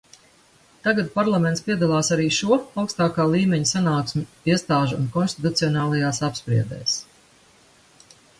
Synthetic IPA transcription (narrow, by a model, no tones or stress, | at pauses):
t̪aɡat̪̚paɾlˠamʲɛnspʲiɛd̪alˠaːsaɾiːʃuɔawkst̪aːkaːlˠiːmʲɛɲusanaːksmʲu | iɛst̪aːʒuṵnkɔnst̪it̪ut̪siɔnaːlˠajaːsapspɾḭɛd̪ɛ̰ːs